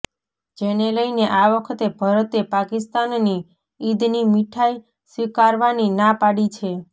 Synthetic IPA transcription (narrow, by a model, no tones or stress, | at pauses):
d͡ʒeneləjneʔaʋəkʰət̪ebʱəɾət̪epakist̪anːi | id̪nimiʈʰaj | sʋikaɾʋaninapaɽit͡ʃʰe